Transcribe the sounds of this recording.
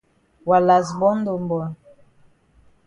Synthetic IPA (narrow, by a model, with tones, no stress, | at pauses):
wa˨la˨zbɔ˦n˦do˨mbɔ˨n